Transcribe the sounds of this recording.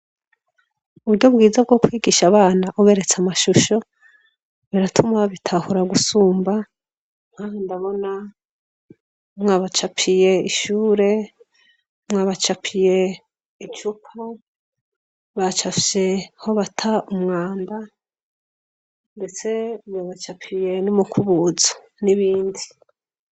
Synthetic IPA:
uβuɾɟo̞bɡiːzab̚ɡo̞kwiːɡiʃaβaːnaʔoβe̞ɾe̞t͡samaʃuʃo̞ | βiɾatʰumaβitʰahuɾaɡusuːmba | ŋ̥ahondaβo̞na | mŋaβat͡ʃapʰije̞iʃuːɾe̞ | mŋaβat͡ʃapʰije̞ | it͡ʃupʰa | βat͡ʃafʃe̞ho̞βatʰaumŋaːmba | nde̞t͡se̞mwaβat͡ʃapʰije̞numukʰuβuzo̥ | niβiːndi

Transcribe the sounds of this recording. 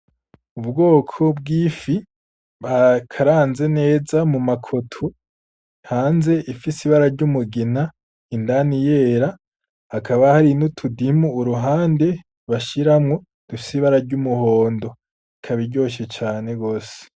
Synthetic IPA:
uβbɡo̞ːkʰo̞b̚ɡiːfi | βakʰaɾaːnze̞ne̞ːzamumakʰotʰu | haːnze̞ʔifisiβaɾaɾɟumuɡena | indanije̞ɾa | hakʰaβahaɾinutʰudimuːɾuɦaːnde̞ | βaʃiɾamŋo̞ | d̥ufi̥siβaɾaɾɟumuho̞ːndo̞ | ikʰaβiɾɟo̞ːʃ̬et͡ʃaːne̞ɡoːse̥

